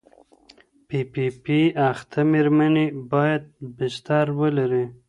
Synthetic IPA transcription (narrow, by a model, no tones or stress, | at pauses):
pipipiaxt̪ʰameɾmanebɑjad̪̚bɪʃt̪aɾwəlaɾi